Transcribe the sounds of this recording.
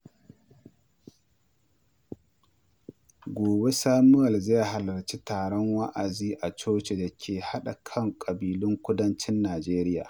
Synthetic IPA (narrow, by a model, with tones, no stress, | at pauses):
ɡʷoː˨be˦saː˦mʊ˦jɐ˨lze˦˨ha˨lɐ˨ɾt͡ʃi˦taː˨ɽɔ˦ŋwa˦ʔa˨ziː˦ʔa˨t͡ʃoː˦t͡ʃe˨da˨kʲʰeː˨ha˦ɗa˨kʰɐ˦ŋkʼɐ˨biː˨lʊ˦ŋkʷʊ˦dɐ˦nt͡ʃɪ˦nːaː˨d͡ʒeː˦ɾɪ˦ja̰ː˨